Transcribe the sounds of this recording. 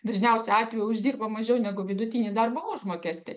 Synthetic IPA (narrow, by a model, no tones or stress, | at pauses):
d̪ɐʒʲnʲɛʊsʲɛɑːt̪ʲʋʲɛjʊʊʒʲd̪ʲiːrbɐmɐʒʲɛʊnʲæɡʊʋʲɪd̪ʊt̪ʲiːnʲiːd̪ɐrbɐʊʒmoːkʲæːsʲt̪ʲɛ